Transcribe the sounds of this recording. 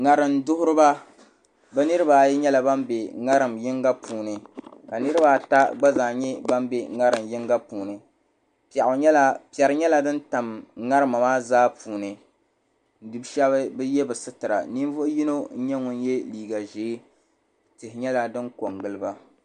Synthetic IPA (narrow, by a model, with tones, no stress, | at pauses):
ŋa˨ɾɨ˨ndʊ˦hʊ˦ɾɨ˦ba˦ | bɛ˦nɨ˦ɾɨ˦ba˨jɛ˦ɲɛ˦la˨ba˦mbe˨ŋa˦ɾɨ˨mjɪ˦ŋɡa˦puː˨nɨ˨ka˨nɨ˦ɾɨ˦ba˦ta˦ɡ͡ba˦zaː˨ɲɛ˦ba˦m˦be˨ŋa˦ɾɨ˨mjɪ˦ŋɡa˦puː˨nɨ˨ | pɛ˨ʔʊ˨ɲɛ˦la˦pi˨ɛ˨ɾɨ˦ɲɛ˦la˨dɨ˦nta˨mŋa˦ɾɨ˦ma˨maː˦zaː˦pʰuː˨nɨ˨ | n̩˨du˨bʃɛ˦βɨ˦bɨ˦jɛ˦bɨ˨sɨ˦tɨ˨ɾa̰˨ni˦n˦vo˦ʔji˦no˦n̩˦ɲɛ˦ŋʊ˨n˦jɛ˦liː˨ɡa˨ʒeː˨˦ | tɨ˨hɪ˨ɲɛ˦la˨dɨ˦ŋko˨ŋɡɨ˦lɨ˦ba˦